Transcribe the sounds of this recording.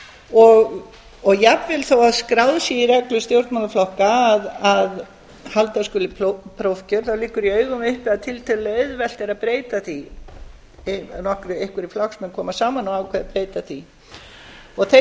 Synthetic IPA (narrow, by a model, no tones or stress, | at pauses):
ɔɣ | ɔɣjapvɪlθawaðskɾawðsjɛirɛklʏst̪jowɾt̪manaflɔhkaːðað | halt̪askʏːlɪpʰɾowfcʏɾ̥θawliːkʏɾiœːɥɣʏmʏhpɪðat̪ʰɪlt̪ʰɛlœðvɛl̥t̪ɪɾaðpɾeːjt̪aθi | nɔhkɾʏejhkʏɾiflɔksmɛnkʰɔːmasaːmanawawkʰvɛðpɾeːjt̪aθi | ɔɣθe